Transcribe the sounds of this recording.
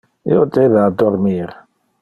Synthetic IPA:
j̰odeðadɔɾmiːɾ

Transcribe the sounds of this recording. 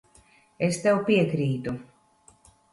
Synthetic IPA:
est̪ɛwpiɛkɾiːt̪u

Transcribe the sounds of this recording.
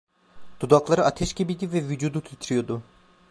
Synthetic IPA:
d̪̥ud̪aklˠaɾɯʔat̪ʰɛʃcʲibid̪ivɛvyd͡ʒuːd̪ut̪ʰyt̪ʰɾijo̞d̪ʊ

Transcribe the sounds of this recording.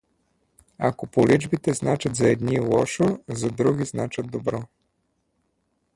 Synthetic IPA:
akopolʔid͡ʒbit̪ɛznat͡ʃɐt̪zɐɛd̪nilˠɔʃozɐd̪ɾuɡʲiznat͡ʃɐt̪̚d̪obɾɔ

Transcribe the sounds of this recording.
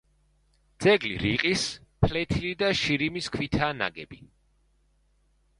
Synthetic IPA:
d̪̥z̥ɛɡlḭɾiqʼispʰlɛt̪ʰilid̪aʃiɾimiskʰwit̪ʰaːna̰ɡɛbi

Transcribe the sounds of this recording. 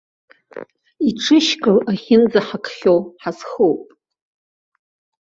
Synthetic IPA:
iʈ͡ʂʰɨʃkʼɨlaχʲɪnd͡zaħakʰχʲowħazχowpʼ

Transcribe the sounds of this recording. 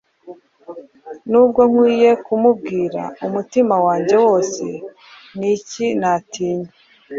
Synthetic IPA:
nuːb̚ɡo̞ŋ̥wiːje̞kumub̚ɡiːɾa̰umutimawaːɲɟe̞wo̞ːse̞ | nicinatiːɲe

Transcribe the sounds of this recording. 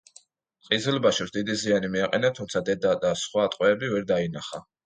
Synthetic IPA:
qʼizɛlbaʃɔsd̪id̪izianimiaqʼɛnat̪ʰumt̪sʰad̪ɛd̪ad̪asχwaːt̪ʼqʼwɛːbivɛɾd̪ainaχa

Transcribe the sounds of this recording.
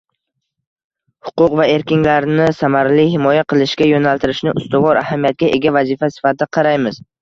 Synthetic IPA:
hʊ̥qʊqvae̞ɾkʲɪnlaɾnɪsamaɾlɪhɪmɒjaqʰɨlˠɪʃɡʲajonalt̪ɪɾɪʃnɪʔʊst̪ʊvɒɾahamijat̪̚ɡʲaʔe̞ɡʲavazɪfasɪ̥fat̪ɪaqʰɑɾajmɪz̥

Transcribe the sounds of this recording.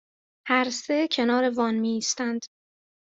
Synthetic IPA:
hæɾsecʰe̞nɒːɾe̞vɒːnmiːst̪ænd̪̥

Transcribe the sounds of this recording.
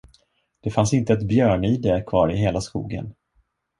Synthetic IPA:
d̪̥ɛfansɪnt̪əɛt̪bjœːɳiːd̪ɛkʰvɑːɾɪɦeːlaskṵːɡə̰n

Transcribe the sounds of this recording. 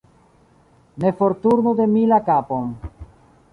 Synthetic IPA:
ne̞foɾt̪uɾnod̪e̞milakapon

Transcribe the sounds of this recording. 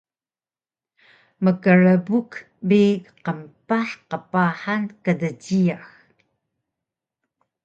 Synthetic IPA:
məkəɻəbuk | biqəmpaħqəpaħankədəɟiax

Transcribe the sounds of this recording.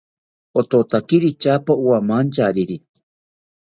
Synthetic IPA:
ot̪ot̪akiɾit͡ʃapauamant͡ʃaɾiɾi

